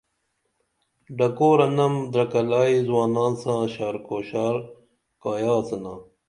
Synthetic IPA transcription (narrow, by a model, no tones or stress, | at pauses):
ɖɐkoːɾɐnɐmd̪ɾɐkɐlaːizwaːnaːnsãːɕaːɾkoːɕaːɾ | kaːjaːsɐnaː